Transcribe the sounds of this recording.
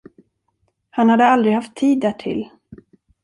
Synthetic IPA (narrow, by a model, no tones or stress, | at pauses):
hanhad̪əald̪ɾɪɡhaft̪ʰːiːd̪ːæːʈʰɪ̰l